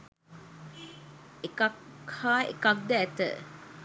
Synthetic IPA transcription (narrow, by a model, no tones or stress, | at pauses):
ekakhaːḛkak̚d̪əɛt̪ə̰